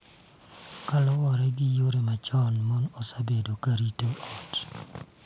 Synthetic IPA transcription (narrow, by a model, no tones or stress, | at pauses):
kalɔwɔɾɛɡɪjoɾemat͡ʃɔnmɔnosabedokaɾitoʔɔt